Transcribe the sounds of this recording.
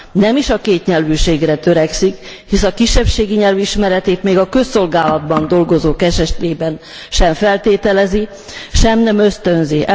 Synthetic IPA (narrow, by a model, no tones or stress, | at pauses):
nɛmiʃɒkeːt̪ɲɛlvyːʃeːɡrɛt̪ø̞ɾɛksikhisɒkiʃːɛpʃeːɡiɲɛlviʃmɛɾɛt̪eːt̪meːɡɒkø̞sːo̞lɡaːlɒd̪bɒnd̪o̞lɡo̞zoːkɛʃɛʃleːbɛn | ʃɛɱfɛlt̪eːt̪ɛlɛzi | ʃɛmnɛmø̞st̪ø̞nzi